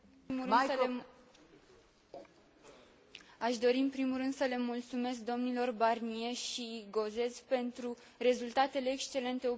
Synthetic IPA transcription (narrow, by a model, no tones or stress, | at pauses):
imuɨs | aʃd̪o̞ɾiɨmpɾimurɨnd̪̥səle̞mult̪sume̞sk̚d̪o̞mnilo̞rbarnie̞ʃiɡo̞ze̞zpe̞nt̪ɾu | re̞zult̪at̪e̞le̞ːkst͡ʃe̞le̞nt̪e̞o